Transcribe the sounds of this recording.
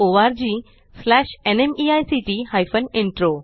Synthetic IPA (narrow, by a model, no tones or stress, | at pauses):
oʋaɾd͡ʑi | slɛɕenemiajsiʈihajfəneɳʈɾo